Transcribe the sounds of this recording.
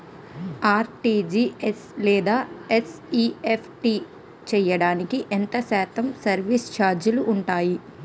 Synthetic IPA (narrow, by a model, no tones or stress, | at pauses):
aːɾʈid͡ʒieslɛːd̪aːes | iːepʰʈi | t͡ʃɛjːɐɽaːnikiʔent̪ɐsaːt̪ɐmsɐɾʋist͡ʃaːɾd͡ʒuluʔːɳʈaːji